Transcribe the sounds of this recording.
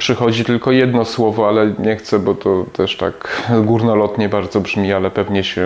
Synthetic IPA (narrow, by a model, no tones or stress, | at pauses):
pʂɘxɔd͡ʑit̪ɘlkɔjɛd̪nɔswɔvɔalɛɲɛxt̪sɛbɔt̪ɔt̪ʰɛʂt̪a̰kɡuɾnɔlɔt̪ɲɛbaɾd̪zɔbʐmʲialɛpɛvɲɛɕɛ